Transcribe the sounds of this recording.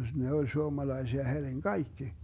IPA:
ne ol suomɑlɑisiɑ herʲiŋ kɑikːi

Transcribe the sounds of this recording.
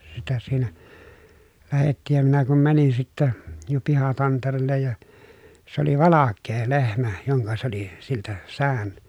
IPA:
sitæ siːnæ læhetːiːj jɑ minæ kum mænin sitːæ jɑ pihɑtɑnterelːej jɑ s oli ʋɑlɑkːeː lehmæ joŋkɑ se oli siltæ sæːn

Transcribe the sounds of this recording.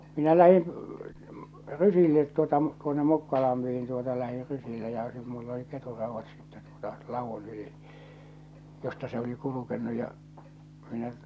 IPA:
minæ læhin rysilːet tuotɑ tuonːe mukːɑlɑmpihin tuotɑ læhir rysilːe jɑ sit mulː oli keturːɑuʋːɑt sitːe tuotɑ lɑʋun yli jostɑ se oli kulukenːu jɑ minæ

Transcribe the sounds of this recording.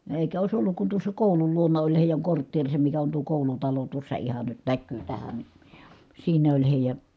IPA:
eˑi̯kæ oˑis olːuk kun tuosːɑ koˑulul luonɑ olʲ heˑijæŋ kortːeːrisem mikæ on tuo koˑulutɑlo tuosːɑ ihɑn nyt nækːyː tæhæn ni siːnæ olʲ heˑijæ

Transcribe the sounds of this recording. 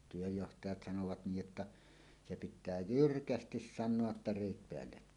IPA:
tyøjːohtɑjɑt sɑnoʋɑt niːj jotːɑ se pitˑæː jyrkæstis sɑnːoɑ tːɑ reˑit peælːekːæːn

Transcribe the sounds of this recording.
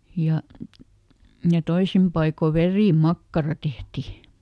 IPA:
jɑ jɑ toisim pɑiko ʋeriˑmɑkːɑrɑ tehti

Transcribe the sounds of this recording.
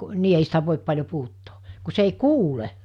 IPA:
niː ei sitæ ʋoˑip pɑlʲjo puhutːoː ku se ei kuːle

